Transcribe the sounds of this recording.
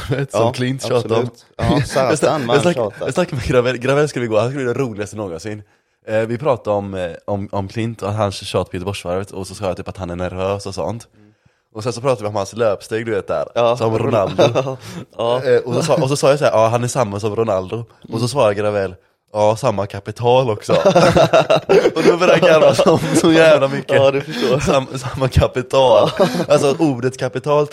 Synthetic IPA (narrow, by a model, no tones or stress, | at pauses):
veːt̪sɔkʰlɪnt̪ʃɑːt̪aɔm | jasjɑajɑstnakːaɾmɛɡɾavɛlɡɾavɛlːskɵləvɪɡoːhanskɯlbliːd̪ɛɾuːlɪɡast̪ənoːɡɔnsɪnː | vɪpʰɾɑːt̪adɔmɔmɔmkʰlɪnt̪ɔat̪ɦansɕɑːt̪pʰɔjɛːt̪əbɔʂːvaɾvət̪ʰɔsɔsɑːjat̪yːpat̪hanæɳæɾvøːsɔsɔ̰nt̪ | ɔsɛnsɔpʰɾɑːt̪avɪɔmhansløːpst̪eːɡ̚d̪ɵveːt̪̚d̪æ̰ːɾsɔmɾʊnald̪ʊ | ɔsɔsɑːɔs̬ɔsɑːjas̬ahæːɾʔɑːɦanæʂamːasɔmɾʊnald̪ʊɔs̬ɔsvɑːɾaɡəɾavɛl | ɑːsamːakʰapɪt̪ʰɑːlɔksɔ | ɔd̪ɔbœɾjaaɾasɔmsɔjæːvlamʏkːədfːsamsamːakʰapɪt̪ʰɑːlalsɔʔuːɖət̪kʰapɪt̪ʰɑːlt̪